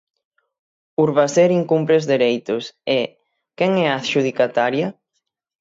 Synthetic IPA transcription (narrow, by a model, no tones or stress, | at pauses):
uɾβaseɾiŋkumpɾezðeɾejt̪ʊse | kɛŋɛaθʃuð̞ikat̪aɾjɐ